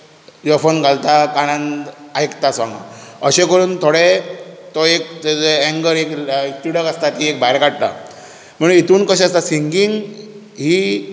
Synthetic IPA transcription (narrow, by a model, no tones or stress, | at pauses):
jɔfənɡʱalt̪akaɽ̃ãnajkt̪asʋãŋɡã̰əɕẽkəɾuːnt̪ʰoɽet̪ɔek̚ɛ̃ŋɡəɾekt̪iɽəkast̪at̪iek̚bʱajɾkaɽ̚t̪a̰ | m̤əɽ̃uit̪uːnkəɕ̬ast̪asiŋɡiŋɡ | ɦiː